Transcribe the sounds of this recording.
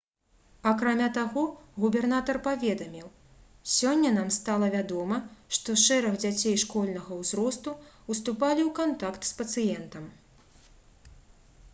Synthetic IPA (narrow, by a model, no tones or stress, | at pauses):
ɐkɾamʲat̪aɣɔɣubʲɛrnat̪ɐrpavʲɛd̪ɐmʲiw | sʲɔnʲːɐnamst̪alˠɐvʲad̪ɔmɐʂt̪ɔʂɛɾɐɣd͡zʲat͡sʲejʂkɔlʲnɐɣɐwzɾɔst̪u | ust̪upalʲiwkant̪akt̪spɐt̪sɨjɛnt̪ɐm